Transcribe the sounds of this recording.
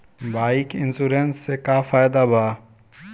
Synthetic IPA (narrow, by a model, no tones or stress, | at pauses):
baːɪkɪ̃nsuɾeːnsːekaːfaːjd̪abʱaː